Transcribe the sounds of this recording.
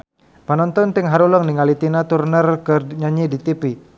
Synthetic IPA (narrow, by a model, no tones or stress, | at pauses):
panɔnt̪ɔnt̪ɪŋɦaɾulɔŋniŋalit̪inat̪urnərkəɲaɲidit̪ipi